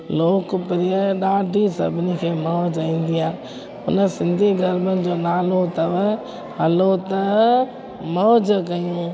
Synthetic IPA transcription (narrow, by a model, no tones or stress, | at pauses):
loːkpɪɾiəɗaːɖʱisɐ̰bʱɪnikʰeːmɐd͡ʑĩːn̆d̪iaː | ʊnəsɪ̃nd̪ʱiɡʱɐɾmənɪ̆d͡ʑoːnaːlot̪ɐʋ | hɐlot̪ɐ | mɐɦd͡ʑkɐjũː